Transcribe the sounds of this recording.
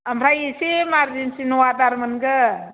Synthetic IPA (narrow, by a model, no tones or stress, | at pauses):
amɾajisimaɾd͡ʒinsinuwadaɾmɯnɡɯ